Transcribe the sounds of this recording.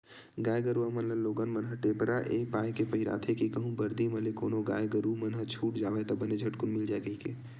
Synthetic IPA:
ɡaːjɡəɾuamɐnlənloːɡaːnmɐnɦəʈeːpɾaʔeːpaːjkepɐɦɪɾa̰ːt̪ʰekikəɦũbɐɾd̪imɐlekoːnoɡa̰ːjɡəɾumɐnɦət͡ʃʰuːʈd͡ʒaːʋet̪ɐbəned͡ʒʱɐʈkʊnmɪld͡ʒaːɡəikeː

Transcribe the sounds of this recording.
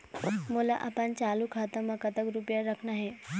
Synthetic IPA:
mulaʔapənt͡ɕalukʰat̪əməkət̪əkɾupjaɾəkʰnaɦe

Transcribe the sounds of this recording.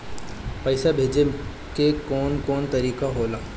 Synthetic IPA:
pɐːsabʱeːd͡ʒe | kekɔːnkɔːnt̪ɐɾiːkaɦoːla

